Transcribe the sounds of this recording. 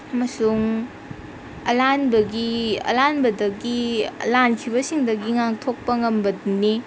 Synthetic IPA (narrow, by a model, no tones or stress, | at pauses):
ɐmɐsuŋ | ɐlanbɐɡiɐ̰lanbɐdɐɡilankʰiβɐsiŋdɐɡiŋaŋtʰok̚pɐŋɐmbɐduni